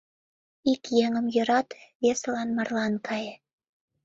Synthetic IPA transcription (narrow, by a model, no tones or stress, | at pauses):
ikjeŋə̆mjø̆ɾɑt̪βeselɑnmɑrlɑnkʰɑje